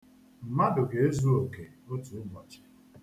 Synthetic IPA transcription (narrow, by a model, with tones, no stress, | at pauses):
m̩˨ma˦dʊ˨ɡe˨e˦zu˦o˨ke˨o˦tu˨˦mɔ˨t͡ʃe̥˨